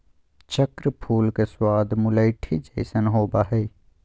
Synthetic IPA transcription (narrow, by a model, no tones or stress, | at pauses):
t͡ʃəkɾəpʰuːlkeswaːd̪ʱmʊləɪʈʰid͡ʒəɪsənɦoːbaɦɛj